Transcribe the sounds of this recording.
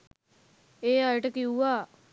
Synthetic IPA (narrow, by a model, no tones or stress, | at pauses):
eːajʈəkiuaː